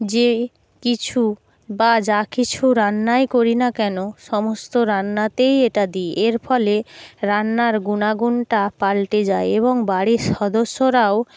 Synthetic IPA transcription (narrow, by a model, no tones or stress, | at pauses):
d͡ʑe | kit͡ɕʰu | bad͡ʑakit͡ɕʰuɾanːaekoɾinakɛnoʃɔmost̪oɾanːat̪ejeʈad̪iʔeɾfʰɔleɾanːaɾɡunaɡunʈapalʈed͡ʑaeeβoŋbaɽiʃɔd̪oʃːoɾao